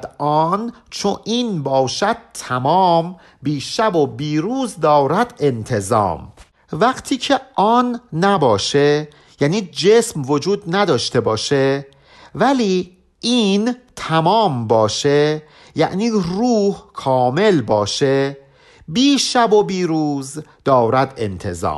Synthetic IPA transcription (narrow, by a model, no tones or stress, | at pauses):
ɒːn | t͡ʃʰoʔiːnbɒːʃæd̪̥̚t̪ʰæmɒːm | biːʃæbobiːɾuːzd̪ɒːɾæd̪e̞nt̪ʰe̞zɒ̰ːm | væɡt̪ʰiːcʰe̞ʔɒːnːæbɒːʃe | jæniːd͡ʒesmvod͡ʒuːd̪̚næd̪ɒːʃt̪e̞bɒːʃe | væliː | iːnt̪ʰæmɒːmbɒːʃe | jæ̰ʔniːruːhkʰɒːme̞lbɒːʃe | biːʃæbobiːɾuːzd̪̥ɒːɾæd̪e̞̰nt̪ʰe̞̰zɒ̰ːm